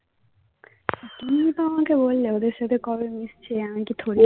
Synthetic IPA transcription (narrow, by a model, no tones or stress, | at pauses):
kinit̪ɔmãkebolːeod̪eɾsed̪ʱekɔbemist͡ʃʰiamakit̪ʰoɾi